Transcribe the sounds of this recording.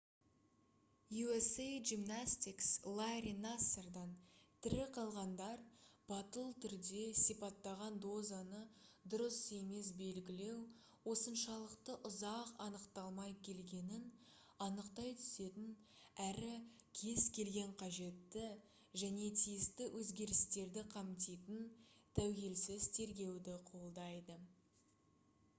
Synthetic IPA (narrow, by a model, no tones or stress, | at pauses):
juesejʒimnasʲt̪ikslˠaɾinaserd̪ɑnt̪ʰɪɾɪqʰɑlˠʁɑnd̪ɑɾb̥ɑt̪əlˠt̪ʰʏɾd̪e̞sijpɑt̪ːɑʁɑnd̪o̞zanəd̪ʊɾəse̞me̞sbe̞lɡʲɪle̞w | wo̞sənʃɑlˠəqt̪əʔʊzɑqɑnəqt̪ɑlˠmɑjkʲʰe̞lɡʲe̞nɪn | ɑnəqt̪ɑjt̪ʰʏ̥se̞t̪ɪn | æɾɪkʲʰe̞zkʲʰe̞lɡʲe̞ɴqʰɑʒe̞t̪ːɪ | ʒæne̞t̪ʰijɪst̪ɪwʔɵzɡʲe̞ɾɪst̪e̞ɾd̪ɪqʰɑmt̪ijt̪ənt̪ʰæwɡʲe̞lsɪzt̪ʰe̞ɾɡʲe̞wd̪ɪqʰo̞lˠd̪ɑjd̪ə